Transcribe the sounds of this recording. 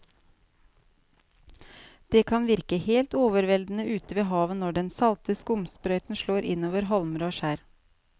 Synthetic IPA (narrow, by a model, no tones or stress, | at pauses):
d̪̥eːkʰɑnʋɪɾkəheːlt̪oːʋəɾʋɛld̪n̩əʔʉːt̪əʋeːɦɑːʋənɔɖɛnsɑlt̪əskʊmspɾœʏt̪n̩ʃɭoːɾʔɪnoːʋəɾɦɔlmɾoːʃæːɾ